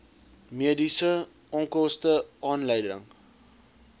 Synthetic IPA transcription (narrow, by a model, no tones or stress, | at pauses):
miədisə | ʔɔŋkɔstəʔɑːnləjdə̰ŋ